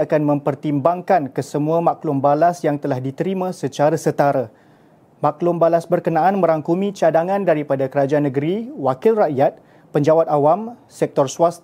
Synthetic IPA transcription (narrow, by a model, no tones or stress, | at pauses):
akanmə̃mpərt̪imbaŋkankəsəmũamaklʊmbalasjaŋt̪əlahdit̪əɾimãsət͡ʃaɾasət̪aɾa | mãklʊmbalasbərkənãʔanmə̃ɾaŋkumĩt͡ʃadaŋãndaɾipadakəɾad͡ʒaanə̃ɡəɾiwakɪlraʔjat̪̚ | pəɲd͡ʒawat̪̚awamsɛk̚t̪ɔrsuwast̪